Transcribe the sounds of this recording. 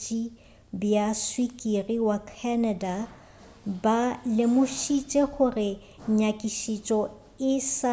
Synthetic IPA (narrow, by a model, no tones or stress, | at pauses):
t͡ʃʼi | bjaswikʼiriwakʰanada | balɪmʊʃit͡ʃʼeχʊrɪ | ɲakʼiʃit͡ʃʼɔ | ɪs